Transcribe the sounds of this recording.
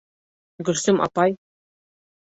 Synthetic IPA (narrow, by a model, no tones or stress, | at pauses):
ɡɵ̆lsɘmʔɑ̰pɑj